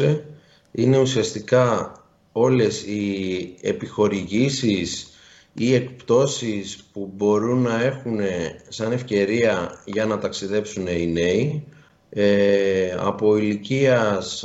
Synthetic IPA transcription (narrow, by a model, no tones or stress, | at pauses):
e | ine̞usiɐst̪ikɐ | o̞le̞sie̞̰pixo̞ɾiʝisis | ie̞kpt̪o̞sispubo̞ɾunːɐe̞xune̞sɐne̞fce̞ɾiɐʝɐnɐt̪ɐksiðe̞psune̞ine̞i | ɐ̰po̞iliciɐs